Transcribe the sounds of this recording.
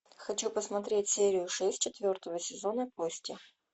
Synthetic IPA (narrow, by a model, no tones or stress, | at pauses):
xɐt͡ɕupəsmɐt̪ɾʲetʲsʲeɾʲɪjʊʂɛsʲt̚ʲt͡ɕɪt̪vʲo̞rt̪əvəsʲɪzonəposʲtʲɪ